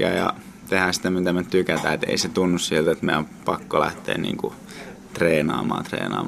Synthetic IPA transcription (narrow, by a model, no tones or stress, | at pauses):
æjɑ̰ | t̪ehæːsi̥t̪æmit̪æmett̪ykæt̪æet̪ḛiset̪unːussielt̪et̪mḛompɑkːolæht̪ḛːnnḭːŋku | t̪reːnɑ̰ːmɑ̰ːnt̪rḛːnɑ̰ːm